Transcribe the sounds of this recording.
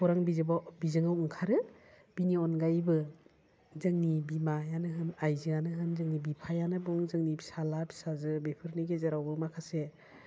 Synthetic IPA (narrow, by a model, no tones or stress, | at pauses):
pʰɔɾaŋbizɯbabizɯŋawɯŋkʰaɾɯ | b̥iniɔnɡajbɯ | zɯŋnibimajanɯɦɯnajzɯanɯɦɯnzɯŋnibipʰajanɯbɔŋzɯŋnibi̥salabi̥sazɯbepʰɯɾniɡezaɾawbɯmakʰase